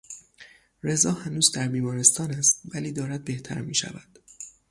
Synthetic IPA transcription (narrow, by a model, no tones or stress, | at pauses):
re̞zɒːhænuːzd̪æɾbiːmɒːɾe̞st̪ɒːnæst̪væliːd̪ɒːɾæd̪̚be̞ht̪ʰæ̰ɾmiːʃæ̰væ̰d̪̥